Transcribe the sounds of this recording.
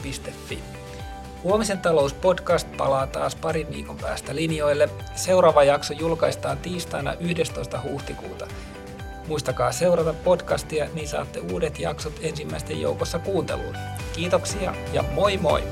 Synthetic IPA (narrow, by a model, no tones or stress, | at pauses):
pist̪efːḭ | huomisent̪ɑlouspo̞dkɑst̪̚pɑ̰lɑːt̪ɑ̰ːspɑɾiʋʋḭːkompæ̰ːst̪ælinjo̞ilːe | seuɾɑːʋɑjɑksojulkɑist̪ɑːnt̪iːst̪ɑinɑ̰ʔyhdest̪oist̪ɑhuht̪ikṵːt̪ɑ | muist̪ɑkɑːseurɑt̪ɑppodkɑst̪iɑniːsɑ̰ːt̪ːeuːdet̪jɑ̰ksot̪e̞nsimːæist̪ːḛjo̰ukosːɑkuːnt̪ḛlːṵnkiːt̪oksiɑ̰jɑ̰moimo̰i